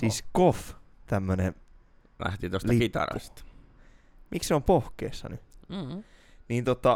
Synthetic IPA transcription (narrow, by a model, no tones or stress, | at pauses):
siːskoft̪æmːønḛ | læ̰ht̪it̪ostlɑikit̪ɑ̰ɾɑ̰st̪ɑ̥ | mʔikseompohkḛːsːɑ̰ny | niːnt̪ot̪ːɑ